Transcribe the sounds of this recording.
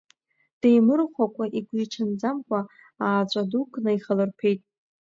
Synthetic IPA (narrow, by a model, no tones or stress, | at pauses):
d̥ejmɨrχʷakʷʼaʔiɡʷiiʈ͡ʂʰand͡zamkʷʰʼa | aːt͡ɕʷʼadukʰʼnɨiχalɨrpʰe̞jtʼ